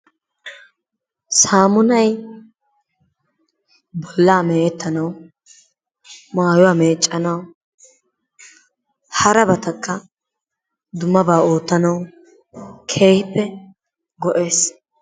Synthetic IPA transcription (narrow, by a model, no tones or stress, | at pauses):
saːmʊnɐj | bɔlːaːmeːʔɛt̪ːɐnɐw | maːjʊwaːme̞ːt͡ʃʼːɐnɐw | hɐɾɐbɐt̪ɐkʰʼːɐ | d̪ʊmːɐbaːoːt̪ːɐnɐw | kʰe̞ːhɪpːɛ | ɡɔʔe̞ːs